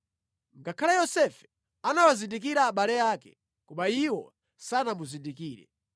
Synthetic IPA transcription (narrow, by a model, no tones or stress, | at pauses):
ŋɡakʰalajɔsɛfɛ̥ | anawazindik̬iɾaːɓalɛaːkɛ̰ | kuɓaiwɔ̰ | sanamuzindikiːɾɛ̰